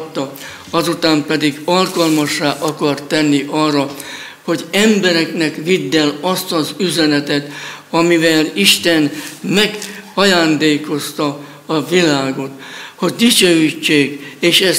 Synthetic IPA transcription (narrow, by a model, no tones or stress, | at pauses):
t̪ːɒ | ɒzut̪aːmpɛd̪iɡɒlkɒlmɒʃːaːʔɒkɒrt̪ːɛnːiʔɒrːɒ | ho̞ɟɛmbɛɾɛknɛkʋid̪ːɛlɒst̪ɒzyzɛnɛt̪ɛt̪ɒmivɛliʃt̪ɛnmɛɡɒjaːnd̪eːko̞st̪ɒ | ɒvilaːɡo̞t̪ho̞ɟd̪it͡ʃøːit͡ʃːeːɡeːʃɛ